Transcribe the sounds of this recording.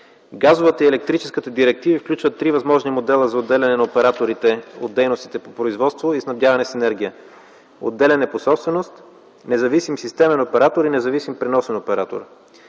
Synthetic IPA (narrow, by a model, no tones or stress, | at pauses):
ɡazovət̪əiɛlɛk̚t̪ɾit͡ʃɛskət̪əd̪iɾɛk̚t̪ivifklʲut͡ʃvət̪ːɾivɐzmɔʒnimod̪ɛlˠəzɐod̪ːɛlʲɐnɛnɐopɛɾat̪oɾit̪ɛo̰d̪ːɛjnost̪i̥t̪ɛpopɾoizvɔt̪st̪voisnɐbd̪ʲjavɐnɛsɛnɛɾɡʲijə | o̰d̪ːɛlʲɐnɛposɔpst̪vɛnost̪ | nɛzɐvisimsist̪ɛmɛnopɛɾat̪oɾinɛzɐvisimpɾinɔsɛnopɛɾat̪o̰ɾ